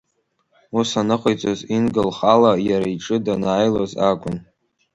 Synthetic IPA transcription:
usanɨχʷajt͡sʷʼozinɡɨlχalajaɾaiʈ͡ʂʼɨdanaːjlozakʷʼʊn

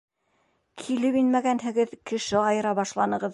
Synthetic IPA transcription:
kʰilɘpinmæɡænɦɘ̆ɡɘðkɘ̆ʃɘɑjɤ̆ɾɑβɑʃlˠɑnɤ̆ʁɤð

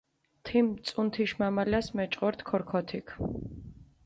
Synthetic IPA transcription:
t̪ʰimt̪sʼunt̪ʰiʃmamalasmɛt͡ʃʼqʼɔɾt̪ʰkʰɔɾkʰɔt̪ʰikʰ

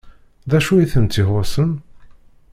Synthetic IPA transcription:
ðæʃujiθənt̪ːiɦosən

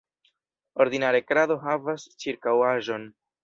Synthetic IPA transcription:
o̞ɾd̪inaɾekɾado̞ɦavast͡ʃiɾkawaʒo̞n

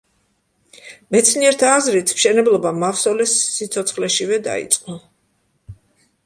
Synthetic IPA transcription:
mɛt̪sʰniɛɾt̪ʰaːzɾit̪ʰmʃɛnɛblˠɔbamafsɔlɛsːit̪sʰɔt̪sʰχlɛʃivɛd̪a̰ḭt̪sʼqʼnɔ

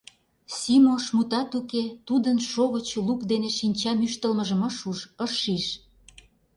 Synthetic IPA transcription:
sʲimoʃmut̪ɑt̪uket̪ud̪ənʃoɣət͡ɕlukd̪eneʃinʲt͡ɕɑmyʃt̪əlməʒə̆məʃuʃəʃiʃ

